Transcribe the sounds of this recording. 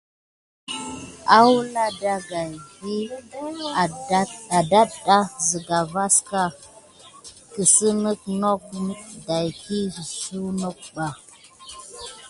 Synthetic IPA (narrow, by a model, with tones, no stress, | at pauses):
a˦wu˦na˦da˦ɡa˨jhi˦˨˦ | a˨da˦ɗa˦zi˨ɡa˨va˦ska˦ | kə˨sə˦nə˦kno˦k̚da˨jki˦˨su˦no˦k̚ɓa˨